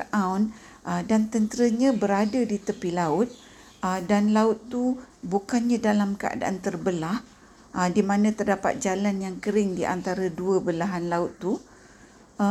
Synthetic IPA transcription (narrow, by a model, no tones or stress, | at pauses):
ʔawn | ʔədant̪ənt̪əɾəɲãbəɾadadit̪əpilaʊt̪̚ | ədanlaʊt̪ːubukanɲãdalamkəʔa̰da̰ʔant̪ərbəlah | ədimanãt̪ərdapa̰t̪̚d͡ʒalanjaŋkəɾɪŋdiʔa̰nt̪aɾaduəbəlaɦanlaʊt̪ːu